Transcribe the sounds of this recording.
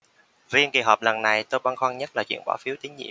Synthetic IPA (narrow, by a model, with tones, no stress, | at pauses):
zi˧ənki˨˩ɦɔː˨˩p̚lə˨˩nːa˨˩jt̪o˧jɓaː˧nxwa˧ŋɲə˦˥t̚laː˨˩t͡ɕwḭ˧˩ənɓa̰ː˧˩fi˨˦əwt̪i˨˦ŋɲḭ˧˨ə˨m